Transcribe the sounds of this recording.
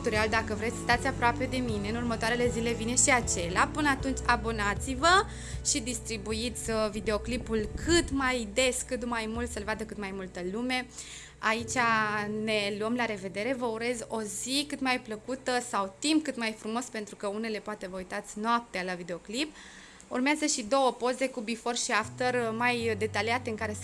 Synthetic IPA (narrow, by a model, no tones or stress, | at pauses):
t̪uɾiald̪akəvɾesʲst̪at̪sʲapɾoape̞d̪e̞mine̞ɨnurmət̪oaɾe̞le̞zile̞vine̞ʃiat͡ʃe̞leapɨnəat̪unt͡ʃʲabo̞nat̪sivə | ʃid̪ist̪ɾibuit̪sʲvid̪e̞o̞klipulkʰɨt̪majd̪e̞skɨt̪majmult̪səlvad̪əkɨt̪majmult̪əlume̞ | ait͡ʃane̞luəmlaɾe̞ve̞d̪e̞ɾe̞vəuɾe̞zo̞zikɨt̪majpləkut̪əsawt̪impkɨt̪majfɾumo̞spe̞nt̪ɾukəune̞le̞poat̪e̞vəujt̪at̪sʲnoap̚t̪ealavid̪e̞o̞klip | urmeazəʃid̪o̞wəpo̞ze̞kubifo̞rʃiaft̪ərmajd̪e̞t̪aliat̪e̞ɨŋkaɾe̞